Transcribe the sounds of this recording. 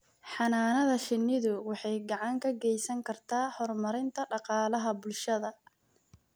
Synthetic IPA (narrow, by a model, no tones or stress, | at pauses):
ħɑnaːnɐðɐʃɪnːɪðʊwɑħɑjɡɑʕɑŋkʰɐɡɛjsɐŋkʰɐrt̪ʰaːħɔrmɐɾɪnt̪ʰɐɖɑqɑːlɐɦɐbʊlʃɐðɐ